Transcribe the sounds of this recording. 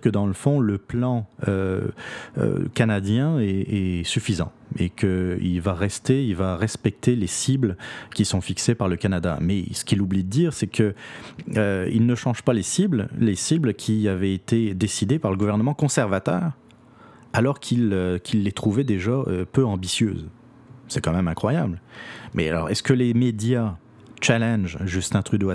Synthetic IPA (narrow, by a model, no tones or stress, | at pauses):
kəd̪ɑ̃ləfɔ̃ləplɑ̃ø̰ | ø̰kanad̪jɛ̃ɛɛsyfizɑ̰̃ | ḛkʰəḭlvaʁɛst̪eilvaʁɛspɛk̚t̪ʰelesiblkʲisɔ̃fiksepaʁləkanad̪a̰mɛsə̥kʲilublid̪əd̪iːʁsɛkʰə | ilnəʃɑ̃ʒ̥palesibllesiblkʲʰiavɛet̪ed̪esid̪epaʁləɡuvɛʁnəmɑ̃kɔ̃sɛʁvat̪œːʁ | alɔʁkʲʰiløkʲʰilːet̪χuvɛd̪eʒaøpøɑ̃bisjø̰ːz | sɛkɑ̃mɛmɛ̃kχwaja̰blmɛ̰a̰lɔ̰ʁɛ̰skəlemed̪ja | t͡ʃalɛnʒʒyst̪ɛ̃t̪χyd̪oa